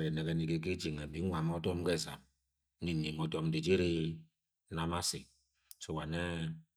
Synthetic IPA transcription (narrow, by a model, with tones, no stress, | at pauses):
e˨ne˨ɡe˨ni˨ke˨ki˦d͡ʒi˨ŋe˨bi˨˦ŋʷa˨m˦ɔ˦to˦m̩˦ɡe˦˨za̰˨m˦ | ni˦ni˨mo˨dɔ˨m̩˦di˨d͡ʒi˦ɾi˦ | na˨ma˦sḭ˨ | so˨wa˨ne˦